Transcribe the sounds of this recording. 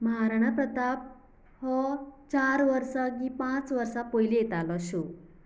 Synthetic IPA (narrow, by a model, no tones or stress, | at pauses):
mɦaɾɽ̃apɾət̪ap̚ | hɔt͡ɕaɾʋəɾsaɡipãt͡sʋəɾsapɔɦilijet̪alɔɕo